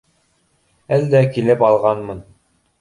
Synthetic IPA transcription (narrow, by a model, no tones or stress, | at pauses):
æld̪ækilɘpɑlˠʁɑnmɤn